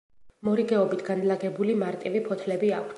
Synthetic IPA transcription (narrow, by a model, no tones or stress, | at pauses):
mɔɾiɡɛɔbit̪ʰɡanlaɡɛbulimaɾt̪ʼivipʰɔt̪ʰlɛbiakʷʰt̪